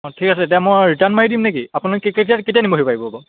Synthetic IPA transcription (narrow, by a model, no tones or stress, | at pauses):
ɔ̃tʰikasɛtɛjmɔjɹitanmaɹidimnekiapunakeketiaketijanimbɔɦojpaɹibɔabɔ